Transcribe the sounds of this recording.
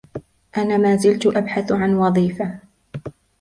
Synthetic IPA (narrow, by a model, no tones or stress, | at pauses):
ʔanaːmaːzɪlt̪ʊʔabħaθʕanwɑðˤiːfa